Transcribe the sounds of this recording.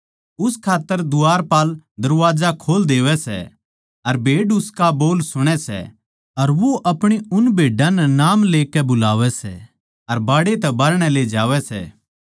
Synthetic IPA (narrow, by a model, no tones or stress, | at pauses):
ʊskʰaːt̪ːəɾd̪ʊaːɾpaːld̪ɐɾʋaːd͡ʒakʰoːld̪eːʋɛsɛ̰ | ɐɾbʱeːɖʊskaboːlsʊɽ̃ɛsɛ̰ | ɐɾʋoʔɐpɽ̃eʊnbʱeːɖãnɛnaːmleːkɛbʊlaːʋɛsɛ̰ | ɐɾbaːɽet̪ɛbɐɾɽ̃ɛled͡ʒaːʋɛsɛ̰ː